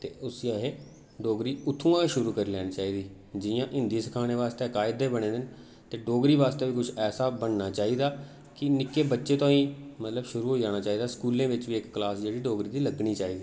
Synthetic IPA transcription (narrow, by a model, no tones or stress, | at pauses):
t̪ḛːʊsiaɦeː | ɖoːɡɾiːʊt̪ʰːũːãːiːʃʊɾuːkəɾiːlɛːñiːt͡ʃaːiːd̪iː | d͡ʒɪjãːʔɪ̃nd̪iːsəkʰaːneːʋaːst̪eːəkaːɪd̪eːbəɽ̃ẽːd̪ɪn | t̪eːɖoːɡɾiːʋaːst̪eːʋiːkʊt͡ʃʰɛːsaːbəɳnaːt͡ʃaːiːd̪aː | kɪnɪkːeːbətːʃeːt̪õːĩːmət̪ləbʃʊɾuːɦoːiːd͡ʒaːɽ̃aːt͡ʃaːiːd̪aːskuːlẽːʋɪt͡ʃʋiːɪkːlaːsd͡ʒeːɽiːɖoːɡɾiːd̪iːləɡɳiːt͡ʃaːiːd̪iː